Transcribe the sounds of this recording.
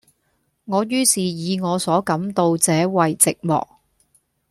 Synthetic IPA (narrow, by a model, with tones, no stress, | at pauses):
ŋɔː˨˧jyː˥siː˨jiː˨˧ŋɔː˨˧sɔː˨˥kɐ˨˥mt̪o˧wt͡sɛː˨˥wɐ˨jt͡sɪ˨k̚mɔ̰ː˨k̚